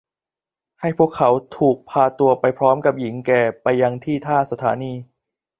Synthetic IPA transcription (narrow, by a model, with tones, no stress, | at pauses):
ha˥˩jpʰu˥˩əkʰːa˩˦wt̪ʰuː˨˩k̚pʰaː˧t̪u˧ɐpa˧jpʰɾɔː˦˥mka˨˩p̚ji˩˦ŋkɛː˨˩pa˧jːa˧ŋt̪ʰiː˥˩t̪ʰaː˥˩sa˧t̪ʰa̰ː˩˦niː˧